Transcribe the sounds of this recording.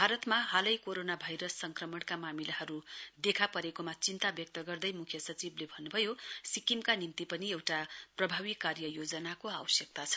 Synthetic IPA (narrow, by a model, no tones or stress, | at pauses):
bʱaɾʌt̪maɦalʌjkoɾonabʱajɾʌsːʌŋkrʌmʌɽkamamilaɦʌɾud̪ekʰapʌɾekomat͡sint̪abjʌk̚t̪ʌɡʌrd̪ʌjmukʰjʌsʌt͡siblebʱʌnːubʱʌjosikimkanint̪ipʌniewʈaprʌbʱaβikarjʌjod͡zʌnakoawʌsjʌk̚t̪at͡sʰʌ̥